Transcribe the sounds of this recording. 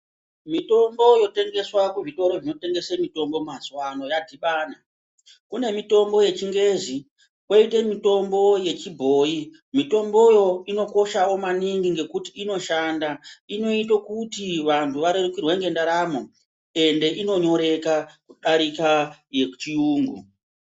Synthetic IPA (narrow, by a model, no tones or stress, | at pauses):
mito̞mbo̞jo̞te̞ŋɡe̞swakuvito̞ɾo̞vino̞te̞ŋɡe̞semito̞mbo̞mazwano̞jadʱiɓaːna | kune̞mito̞mbo̞je̞t͡ʃiŋɡe̞zi | koite̞mito̞mbo̞je̞t͡ʃibʱo̞ːi | mito̞mbo̞jo̞ino̞ko̞ʃawo̞maniŋɡiŋɡe̞kutiːno̞ʃandaino̞it̬okutiʋantʰuʋaɾerukirweŋɡe̞ndaɾaːmo | e̞nde̞ʔino̞ɲo̞ɾe̞kakuɗaɾikajet͡ʃiuːŋɡṵ